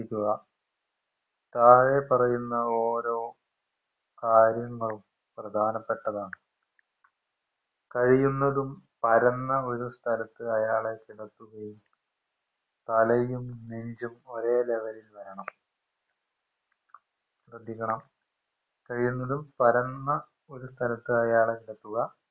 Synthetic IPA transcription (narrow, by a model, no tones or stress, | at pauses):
ikʲːuɣɐ | t̪aːɻe̞pɐrɐjunːɐo̞ːɾo̞ː | kaːɾjɐŋːɐɭum | prɐd̪ʱaːnɐpːeʈːɐðaːɳɨ | kɐɻijunːɐðumpɐɾɐnːɐo̞ɾust̪ʰɐlɐt̪ːɨɐjaːɭe̞tiɽɐt̪ːuɣɐjum | t̪ɐlɐjumneɲd͡ʑumo̞ɾe̞ːleʋɐɾilʋɐɾɐɳɐm | srɐd̪ʱjikʲːɐɳɐm | kɐɻijunːɐðumpɐɾɐnːɐ | o̞ɾust̪ʰɐlɐt̪ːɨɐjaːɭekiɽɐt̪ːuɣɐ